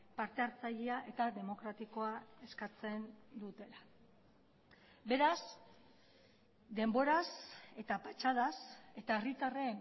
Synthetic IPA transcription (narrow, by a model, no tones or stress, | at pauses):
paɾt̪e̞aɾt͡saʎiaʔe̞t̪aðe̞mo̞kɾat̪iko̞ae̞skat͡se̞nd̪ut̪e̞la | be̞ɾas | d̪e̞mbo̞ɾase̞t̪apat͡ʃað̞ase̞t̪ae̞rit̪aren